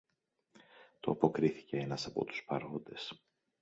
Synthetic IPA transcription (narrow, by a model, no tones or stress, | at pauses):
t̪o̞ɐpo̞kɾiθi̥ce̞enɐsɐpo̞̰t̪u̥spɐɾond̪e̞s